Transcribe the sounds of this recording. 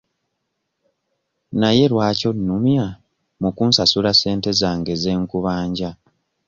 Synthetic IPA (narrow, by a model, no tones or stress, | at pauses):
naje̞lwaːco̞nːumja | mukuːnsasulase̞ːnte̞zaːŋɡe̞ze̞ːŋkuβaːɲɟa